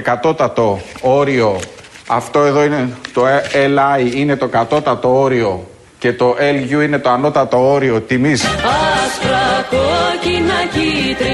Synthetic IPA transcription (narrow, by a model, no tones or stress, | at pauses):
kɐt̪o̞t̪ɐt̪o̞oɾio̞ɐft̪o̞e̞ðo̞ine̞t̪o̞elɐiine̞t̪o̞kɐt̪o̞t̪ɐt̪o̞o̞ɾio̞ | ce̞t̪o̞ʔelʝuine̞t̪o̞ɐno̞t̪ɐt̪o̞o̞ɾio̞t̪imisɐsfɾɐkocinɐcit̪ɾi